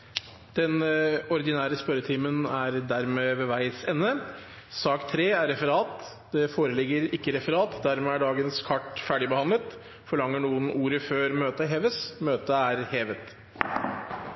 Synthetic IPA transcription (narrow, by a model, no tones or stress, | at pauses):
d̪̥ɛnɔɾd̪ɪnæːɾəspœɾət̪ʰiːmənæɾd̪æɾmeːʋɛʋæɪsɛnːə | sɑːkt̪ʰɾeːæɾɾɛfəɾɑːt̪ | d̪̥ɛfoːɾəlɪɡːəɾɪkːəɾɛfəɾɑːt̪d̪æɾmeːæɖɑːɡənskʰɑʈfæːɖɪbəhɑnlət̪ | fɔɭɑŋːəɳuːənʔuːɾəføːɾmøːt̪əɦeːʋəsmøːt̪əæɾheːʋət̪